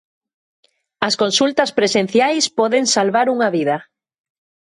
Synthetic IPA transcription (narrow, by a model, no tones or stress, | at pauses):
ɐskonsult̪ɐspɾesen̟θjajspɔðeŋsalβaɾuŋaβiðɐ